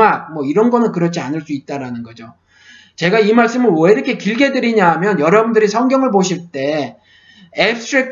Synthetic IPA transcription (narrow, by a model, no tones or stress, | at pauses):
ak̚mwʌiɾʌnɡʌnɯnkɯɾʌt͡ɕʰianɯɭs͈uit̚t͈aɾanɯnɡʌd͡ʑo | t͡ɕe̞ɡaimaɭs͈ɯmɯɭweiɾʌkʰe̞kiɭɡe̞dɯɾiɲaɦmjʌnjʌɾʌbundɯɾisʰʌŋɡjʌŋɯɭpoɕʰiɭt͈e̞ | eps͈ʰɯɾek̚